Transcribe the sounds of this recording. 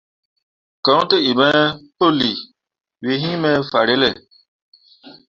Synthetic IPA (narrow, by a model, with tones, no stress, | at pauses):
kɔ̃˨˦tə˦i˨mɛ˦po˦li˨ | we˨ɦĩ˦mɛ˦fa˨ɾe˦lɛ˦˨